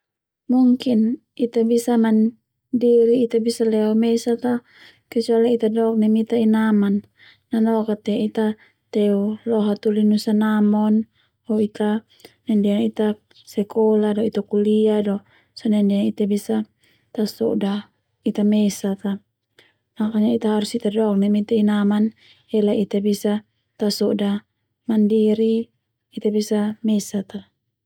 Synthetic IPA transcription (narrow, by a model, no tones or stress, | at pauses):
muŋkin | it̪abisaman | diɾiːt̪abisalɛɔmesat̪a | kɛt͡ʃualait̪adɔk̚nɛmit̪ainamanː | anɔkat̪ɛit̪a | t̪ɛulɔɦat̪ulinusanamɔn | hɔit̪a | nɛndɛaŋit̪a | sɛkɔladɔit̪akuliadɔ | sɔnɛndɛaŋit̪abisa | t̪asɔda | it̪amesat̪a | makaɲait̪aɦaɾusit̪adɔk̚nɛmit̪ɛinaman | ɛlait̪abisa | t̪asɔda | mandiɾi | it̪abisamesat̪a